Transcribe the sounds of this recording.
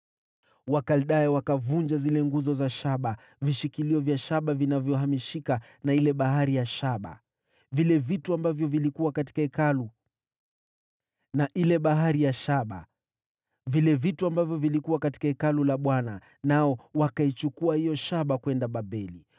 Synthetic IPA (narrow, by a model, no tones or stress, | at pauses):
wakalɗajɛwakavund͡ʒazilɛŋɡuzɔzaʃaɓa | viʃikiliɔvjaʃaɓavinavjɔhamiʃika | nailɛɓaɦaɾijaʃaɓa̰ | vilɛvituambavjɔvilikuwakati̥kaɛkalu | naʔilɛɓaɦaɾijaʃaɓa̰ | vilɛvituambavjɔvilikuwakati̥kaɛkalulaɓwana | naɔwakait͡ʃukuahijɔʃaɓakwɛndaɓabɛli